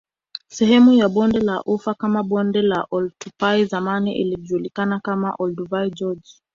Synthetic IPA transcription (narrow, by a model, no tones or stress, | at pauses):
sɛhɛmujaɓɔndɛlaʔufakamaɓɔndɛlaʔɔltupaizamaniʔḭliʄuːlikanakama̰ʔɔlduvaid͡ʒɔd͡ʒ